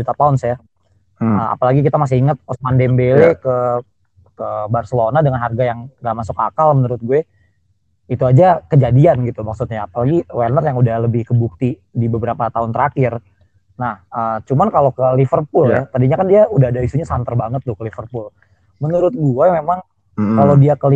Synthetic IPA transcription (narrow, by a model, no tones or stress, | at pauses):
dit̪apaʊnsja | əa̰palaɡik̬it̪amas̬ɪhiŋət̪̚ɔsmandɛmbelekə | kəbarsəlonadəŋanɦarɡajaŋːɡaʔmasʊka̰kalmənuɾʊt̪̚ɡuɛ | it̪uad͡ʒakəd͡ʒadianɡit̪umaksut̪̚ɲaːpalaɡiwernərjaŋudahləbɪhkəbuk̚t̪i | dibəbəɾapat̪aʊnt̪əɾakɪr | nahəːt͡ʃumankalokəlifərpʊlat̪adiɲakandiaudaɦadaisuɲasant̪ərbaŋət̪̚ːʊhkəlifərpʊl | mənuɾʊt̪̚ɡuɛmemaŋ | kalodiakəli